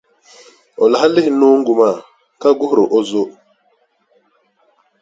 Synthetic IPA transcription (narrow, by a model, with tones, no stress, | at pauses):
ɔ˨la˨ɦa˦lɪ˦hnu˦ŋ˦ɡu˨ma˦˨ | ka˦ɡu˦hɾo˨ʔo˦zo˦